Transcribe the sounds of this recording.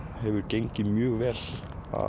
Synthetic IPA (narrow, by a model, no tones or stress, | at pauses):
hɛvʏɾ̥cejɲcɪmjœːɣvɛːl | a̰